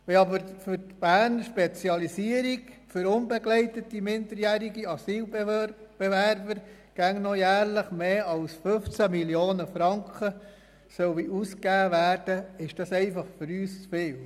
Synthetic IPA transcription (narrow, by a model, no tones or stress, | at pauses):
ɛɑbəɾfʏɾtb̥æːɾnʃpet͡sjɑlisiəɾiɡfʏɾʊnbɛɡlɛɪtətimɪndəɾjæːɾiɡiɑsiːlbb̥evæɾbəɾ | ɡ̥æŋnɔjæːɾləχmeːɑlsfɵft͡sæmiljoːnəfɾɑŋkχə | sœwiʔuskæːʋæːɾd̥əɪʃd̥ɑsɛɪfɑχfʏɾyːst͡sfɪːl